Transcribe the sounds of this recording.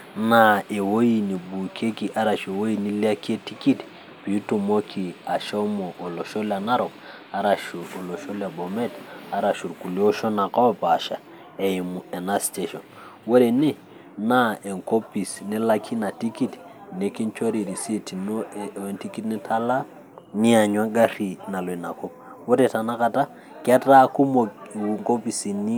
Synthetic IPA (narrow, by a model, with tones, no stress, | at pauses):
na˦e˨wo˦ji˨ni˨bu˨kʰe˦ki˨ʔa˦ɾa˨ʃe˨wo˦ji˦ni˦li˦a˦ki˦e˦ti˦ki˦t | pi˨u˦tu˨mo˦kʰi˨a˨ʃo˦mo˨ʔo˨lo˨ʃo˦la˨na˦ɾo˨k | a˦ɾa˨ʃu˨o˨lo˨ʃo˦la˨bo˨me˦ta˨ɾa˨ʃu˨ɾku˨li˦o˦ʃo˦na˨ka˦wpa˨ʃa̰˨ | e˨ji˨mu˨e˨na˦ste˨ʃo˨n | we˦ɾe˨ni˦ | na˦e˨ŋko˦pi˨sne˦la˦kʰi˦na˨ti˦ki˦tne˨ki˦nt͡ʃo˦ɾi˨ɾi˨si˦ti˨no˦˨e˨nti˦ki˦tni˦tʰa˦la˦ | ni˦a˨ɲ˦a˦ɡa˦ɾi˨na˨lo˨i˨na˨ko˦p̚ | wo˦ɾe˨ta˨na˦ka˨ta˦ | ke˦ta˦ku˦mo˨wu˨ŋko˦pi˨si˨ni˦